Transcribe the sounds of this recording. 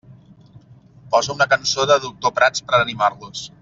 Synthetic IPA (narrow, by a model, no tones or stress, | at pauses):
pɔzəunəkənsoðəðuk̚t̪opɾat͡spəɾənimaɾlus